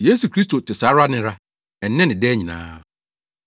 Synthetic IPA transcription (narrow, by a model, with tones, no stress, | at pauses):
je˦su˨kʰɾi˦s̬to˨tɪ˨sa˨˦ɾa˦nɪ̃˦ɾa˦ | ɛ˨n̩˦nɛ̃˦nɪ̃˨dɛː˦ɲĩ˨nã̰ː˦